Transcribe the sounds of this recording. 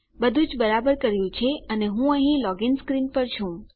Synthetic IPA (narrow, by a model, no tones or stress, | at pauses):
bəd̪ʱũd͡ʒbəɾabəɾkəɾjũt͡ʃʰeəneɦũə̃ɦĩlɔɡɪnskɾinpəɾt͡ʃʰũ